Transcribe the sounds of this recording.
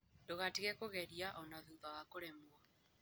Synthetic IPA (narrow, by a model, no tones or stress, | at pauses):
doɣatiɣɛkoɣɛɾiaʔɔnaðuðaɣakoɾɛmwa